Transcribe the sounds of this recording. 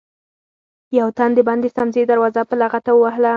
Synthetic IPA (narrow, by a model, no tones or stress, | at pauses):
jawt̪and̪əband̪est̪amzed̪aɾwɑzapəlaɣat̪awəwaɦla